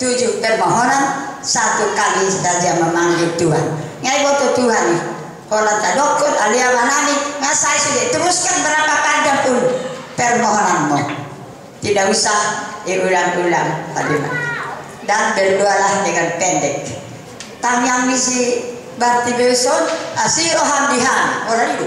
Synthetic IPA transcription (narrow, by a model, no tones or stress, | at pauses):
t̪ud͡ʒupɛrmɔɦɔnansat̪ukalist̪ad͡ʒaməmaŋɡit̪uɦan | ŋaibɔt̪ɔt̪uɦani | hɔnant̪adɔkɔraliawananiŋasaisud͡ʒait̪umuskanbəɾapakad͡ʒapunpɛrmɔɦɔnanmɔ | t̪idaʔusahiʔulaŋʔulaŋpa̰duna̰ | danbɛludualaɦidɛŋanpɛndɛk̚ | t̪amiaŋmisi | bart̪ibɛsɔnasiɾɔɦamdiɦanɔlanidu